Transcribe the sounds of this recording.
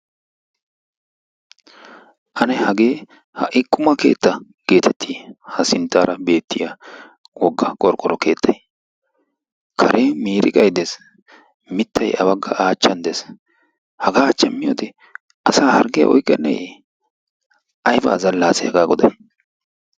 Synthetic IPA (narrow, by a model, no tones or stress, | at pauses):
ʔɐnɛhɐɡe̞ː | hɐʔɪkʼːʊmɐkeːt̪ːɐ | ɡ̥e̞ːt̪ʰɛt̪ʰːiːhɐsɪnt̪ːaːɾʔɐbe̞ːt̪ːɪja | wɔɡːɐkʼɔɾkʼːɔɾɔke̞ːt̪ʰːɐj | kʰɐɾʔeːmiːɾɪ̰kʼɐjd̪es | mɪt̪ʰːɐjʔɐbɐɡːɐʔaːt͡ʃːɐnd̪es | hɐɡaːt͡ʃːɛmːɪjoːt̪ɛ | ʔɐsaːhɐɾɡɪjɐ̰ʔɔjkʼːɛnːɛ̰j | ʔɐjba̰ːzɐlːaːsɛɐɡaːɡɔd̪ɐj